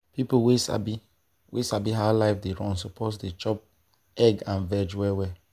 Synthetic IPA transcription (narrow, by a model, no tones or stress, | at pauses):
pipowesa̰bi | wʔḛsabiɦalaɪfdeɹɔ̃nsopʰɔsdet͡ʃɔp̚ | ɛɡãnvɛd͡ʒwɛwɛ